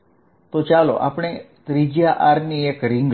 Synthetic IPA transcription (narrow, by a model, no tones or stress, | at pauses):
t̪ot͡ʃalo̰ʔa̰pɽ̃e | t̪ɾid͡ʒjaʔaɾniekɾiŋɡ